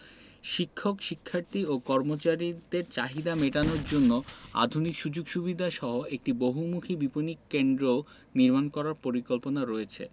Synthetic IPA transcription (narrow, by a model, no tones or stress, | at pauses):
ʃikʰːokʃikʰːaɾt̪iokɔɾmot͡ɕaɾid̪eɾt͡ɕaɦid̪ameʈanoɾd͡ʑonːoa̰d̪ʱunikʃud͡ʑoɡʃubid̪ʱaʃɔɦoek̚ʈiboɦumukʰibiponikkːend̪ɾo | niɾmankɔɾaɾpoɾikolponaɾɔet͡ɕʰḛ